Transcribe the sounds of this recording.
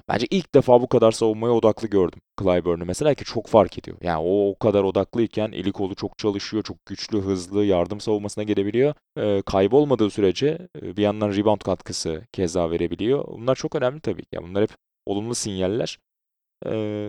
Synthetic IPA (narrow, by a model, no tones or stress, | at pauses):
b̥æ̰nd͡ʒɛʔilʲc̚d̪efaːbukad̪aɾsavunmajao̞d̪aklˠɯɟø̞ɾd̪ymkʰɯlˠajbøɾnymese̞lʲaːcʰit͡ʃʰo̞kfaɾcʰe̞d̪ijo̞̰jʔa̰ːno̞ːkʰad̪aɾo̞d̪aklˠɯjicʰænʔḭlʲicʰo̞lˠut͡ʃʰo̞k̚t͡ʃʰalˠɯʃɯjo̞t͡ʃʰo̞k̚ɟ̥yt͡ʃlʲyɦɯzlˠɯjaɾd̪ɯmsavulˠmasɯnaɟelʲe̞bilʲijo̞ː | kʰajbo̞lˠmad̪ɯːsyɾe̞d͡ʒɛbijand̪anɾibont̪kʰat̪kʰɯsɯcʰɛzd̪aːve̞ɾe̞bilʲijo̞̰bṵnlˠaɾt͡ʃʰo̞kø̞næmlʲit̪ʰabḭːcʰia̰bunˠaɾhɛp | o̞̰lˠumlˠusinjalʲːæ̰ɾ̥ | ɛː